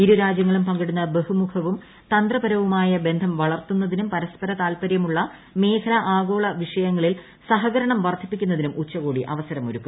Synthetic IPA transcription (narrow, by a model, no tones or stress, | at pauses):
iɾuɾaːd͡ʑjɐŋːɐɭumpɐŋɡɐɽunːɐbe̞humukʰɐʋum | t̪ɐnd̪rɐbɐɾɐʋumaːjɐbe̞nd̪ʱɐmʋɐɭɐrt̪unːɐðinumpɐɾɐspɐɾɐt̪aːlpɐɾjɐmuɭːɐ | me̞ːkʰɐnɐʔaːɣo̞ːɭɐʋiʂɐjɐŋːɐɭil | sɐɦɐɣɐɾɐɳɐmʋɐrd̪ʱipːikʲːunːɐðinumʔut͡ɕːɐɣuːɽiʔɐ̰ʋɐsɐɾɐmoɾukːum